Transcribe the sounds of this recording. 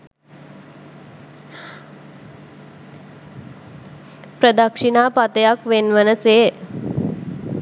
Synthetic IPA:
pɾəd̪əkʂinapat̪jakʋenʋənət͡se

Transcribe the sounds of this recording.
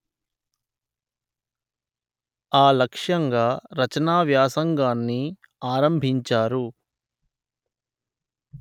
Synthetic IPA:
aːlɐkʂɐŋɡaːɾɐt͡ʃɐnaːʋjaːsɐŋɡaːnːi | aːɾɐmbʱiɲt͡ʃaːɾu

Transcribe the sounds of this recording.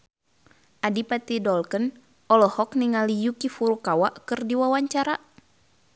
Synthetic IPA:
ʔadipat̪idɔlkən | ʔɔlɔhɔkniŋalijukifuɾukawaʔkɨrdiwawaɲt͡ʃaɾa

